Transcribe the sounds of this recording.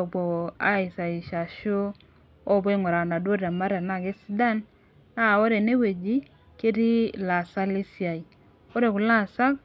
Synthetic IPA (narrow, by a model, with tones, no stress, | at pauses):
ɔ˨bo˨a˦ɪ˨sa˨i˨ʃa˨ʃo˦ | ɔ˦˨be˦ŋwɔ˨ɾa˨na˨do˦da˨ma˦ɾa˨na˦˨ɡe˦si˦da˦n | a˦˨o˦ɾe˨ne˦we˨d͡ʒi˦ | ke˦di˦la˨sa˦li˦sja˨i˨ | o˦ɾe˨ku˨la˦˨sa˦k̚